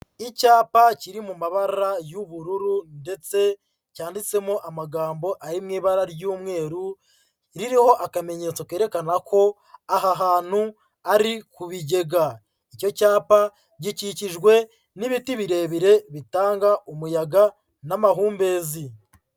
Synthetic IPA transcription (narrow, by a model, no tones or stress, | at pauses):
icaːpaciɾimumaβaɾajuβuɾuɾunde̞t͡se̞ | caːndit͡se̞mo̞ʔamaɡaːmbo̞ʔaɾimŋiːβaɾaɾjuːmŋe̞ːɾu | ɾiɾiho̞ʔakame̞ɲe̞t͡soke̞ːɾe̞kanakʰo̞ | aɦaɦaːn̥hu | aɾikuβiɟe̞ɡa | ico̞caːpa | ɟiciciʒɡwe̞ | niβitiβiɾe̞ːβiɾe̞βitaːŋɡaʔumujaɡa | namaɦuːmbe̞ːzi